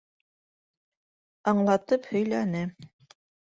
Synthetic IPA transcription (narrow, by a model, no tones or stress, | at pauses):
ɑɴlˠɑt̪ɤphɵ̆jlænɘ